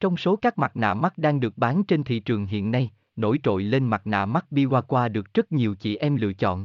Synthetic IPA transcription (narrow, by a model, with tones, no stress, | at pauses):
t͡ɕɔ˧wŋ͡mso˨˦kaː˦˥k̚ma˨˩t̚na̰ː˧˨ma˦˥t̚ɗaː˧ŋɗɨ˨˩ək̚ɓaː˨˦nt͡ɕe˧nt̪ʰḭ˧˨t͡ɕɨ˨˩əŋɦḭ˧˨ənːa˧j | no̰˧˩jt͡ɕo̰˧˨jle˧nma˨˩t̚na̰ː˧˨ma˦˥t̚ɓi˧kwaː˧kwaː˧ɗɨ˨˩ək̚z̥ə˦˥t̚ɲi˨˩əwt͡ɕḭ˧˨ʔɛ˧mlɨ̰˧˨ət͡ɕɔ̰˧˨n